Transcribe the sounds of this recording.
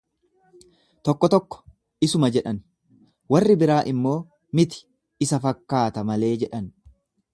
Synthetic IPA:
t̪ɔkːɔt̪ɔkːɔ̥ | ɪsʊmɐd͡ʒɛᶑɐn | wɐrːɪbɪɾaːʔɪmːo̞ː | mɪt̪ɪ̥ | ɪsɐfɐkːaːt̪ɐmɐle̞ːd͡ʒɛᶑɐn

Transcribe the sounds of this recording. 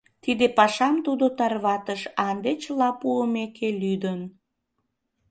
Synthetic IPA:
t̪id̪epɑʃɑmt̪ud̪ot̪ɑrβɑt̪əʃɑnd̪et͡ɕəlɑpuəmekʰelyd̪ən

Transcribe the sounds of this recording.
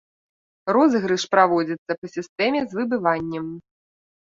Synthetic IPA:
rɔzɨɣɾɨʂpɾavɔd͡zʲit̪sːɐpɐsʲist̪ɛmʲɛzvɨbɨvanʲːɛm

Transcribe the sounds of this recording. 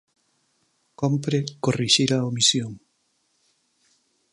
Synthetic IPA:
kompɾekoriʃiɾaomisjoŋ

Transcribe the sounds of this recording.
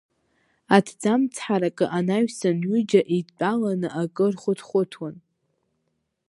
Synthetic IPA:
atʰd͡zamt͡sʰħaɾakʼɨʔanaɥsɨnɥid͡ʒaʔit͡pʼalanɨʔakʼɨrχʷʊtʰχʷʊtʰwan

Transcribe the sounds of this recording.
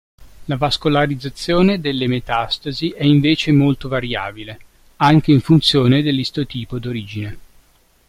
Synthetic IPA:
lavaskolaɾid̪zːat̪sːjoːned̪elːemet̪ast̪aziʔɛiɱveːt͡ʃemolt̪ovaɾja̰ːbile | aŋk̟eiɱfunt̪sjoːned̪elːist̪ot̪iːpod̪oɾiːd͡ʒine

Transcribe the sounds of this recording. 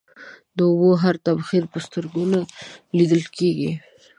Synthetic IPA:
d̪əʊboɦaɾt̪abxiɾpəst̪əɾɡunalid̪əlkeɡi

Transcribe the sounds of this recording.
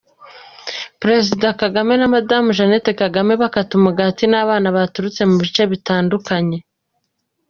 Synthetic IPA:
pɾe̞zidakaɡame̞namadamuʒanetekaɡame̞βakatumuɡatinaːβaːnaβatuɾut͡se̞muβit͡ʃe̞βitaːndukaɲe̞

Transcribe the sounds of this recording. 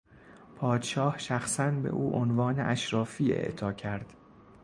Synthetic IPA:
pʰɒːd̪̥ʃɒːhʃæxsænbḛʔuːʔonvɒːnḛʔæʃɾɒːfiːḛʔt̪ʰɒːcʰæɾd̪̥

